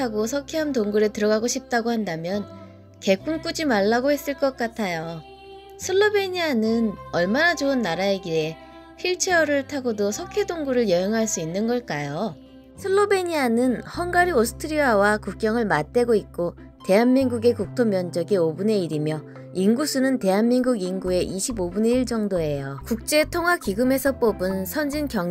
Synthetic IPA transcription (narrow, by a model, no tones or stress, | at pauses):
aɡosʰʌkʰeɦamtoŋɡuɾe̞tɯɾʌɡaɡoɕʰip̚t͈aɡohandamjʌn | ke̞k͈unk͈ud͡ʑimaɭːaɡohe̞s͈ɯɭk͈ʌk̚k͈atʰajo | sʰɯɭːobe̞ɲianɯnʌɭmanat͡ɕoɯnːaɾaeɡie̞ | pʰiɭt͡ɕʰeʌɾɯɭtʰaɡodosʰʌkʰedoŋɡuɾɯɭjʌɦeŋɦaɭs͈uinːɯnɡʌɭk͈ajo | sʰɯɭːobe̞ɲianɯnhʌnɡaɾiosʰɯ̥tʰɯɾiawakuk̚k͈jʌŋɯɭmat̚t͈e̞ɡoit̚k͈o | te̞ɦanmiŋɡuɡe̞kuk̚tʰomjʌnd͡ʑʌɡeobune̞iɾimjʌ | iŋɡusʰunɯnte̞ɦanmiŋɡuɡiŋɡue̞ʔiɕʰibobune̞iɭt͡ɕ͈ʌŋdoe̞jokuk̚t͡ɕ͈e̞tʰoŋɦwakiɡɯme̞sʰʌp͈obɯnsʰʌnd͡ʑinkjʌŋ